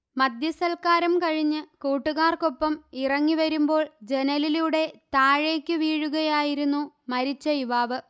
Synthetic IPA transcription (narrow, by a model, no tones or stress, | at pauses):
mɐd̪ʱjɐsɐlkaːɾɐmkɐɻiɲːɨkuːʈːuɣaːrko̞pːɐmirɐŋːiʋɐɾumbo̞ːɭd͡ʑe̞nɐliluɽe̞t̪aːɻe̞ːkʲːɨʋiːɻuɣɐjaːjiɾunːu | mɐɾit͡ɕːɐjiʋaːʋɨ